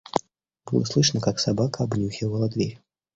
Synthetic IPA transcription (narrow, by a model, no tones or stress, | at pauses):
b̥ɨlˠə̰slˠɨʂnəkaksabakəabnʲuxʲivəlˠɐd̪vʲeɾʲ